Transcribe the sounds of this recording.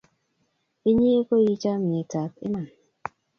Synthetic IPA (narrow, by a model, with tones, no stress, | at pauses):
i˦ɲi˦e˦ko˦ji˦t͡ʃa˦m̩˨ɲi˨ta˨˦kḭ˦ma˨n